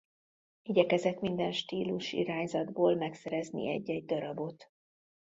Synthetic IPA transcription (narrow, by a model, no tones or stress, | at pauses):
iɟɛkɛzɛt̪mind̪ɛnʃt̪iːluʃḭɾaːɲzɒd̪boːlmɛksɛɾɛznḭɛ̰ɟːɛɟ̚d̪ɒɾɒbo̞t̪